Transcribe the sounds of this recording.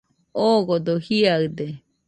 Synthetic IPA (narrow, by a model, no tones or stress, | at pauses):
oɡod̪ohiaɰd̪e